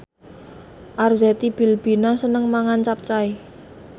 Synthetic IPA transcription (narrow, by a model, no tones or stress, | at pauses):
ʔarzɛt̪ib̥i̤lb̥inasənəŋmaŋant͡ʃap̚t͡ʃai